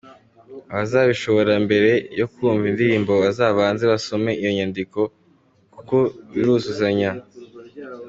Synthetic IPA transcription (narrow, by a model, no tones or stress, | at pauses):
aβazaːβiʃo̞βo̞ɾambe̞ɾe̞jokuuːɱvindiɾiːmbo̞βazaːβaːnzeβaso̞me̞ʔijo̞ɲandiko̞ | kuko̞βiɾuzuzaɲa